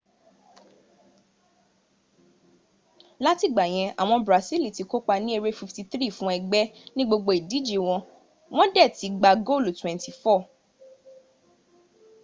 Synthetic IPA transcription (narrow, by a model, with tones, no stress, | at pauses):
la˦ti˦˨ɡ͡ba˨j̃ɛ̃˧a̰˨w̃ɔ̃˧bɾa˨si˦li˨ti˨˧ko˦k͡pa˧nĩ˦e˧ɾe˦fi˧fti˧θɾi˦˨fũ˦ɛ˧ɡ͡bɛ˦nĩ˦ɡ͡bo˧ɡ͡bo˧i˨di˨˦d͡ʒe˧w̃ɔ̃˧ | w̃ɔ̃˦dɛ˦˨ti˨˦ɡ͡ba˧ɡo˦˨ltwɛ̃˨nti˨fɔ˦˨